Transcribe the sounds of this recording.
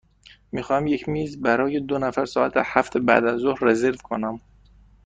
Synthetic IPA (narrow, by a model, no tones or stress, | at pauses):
miːxɒːhæmjecʰmiːzbæɾɒːjed̪onæfæɾsɒːʔæt̪ʰehæft̪ʰebæ̰d̪æzːohɾrezeɾvkʰonæm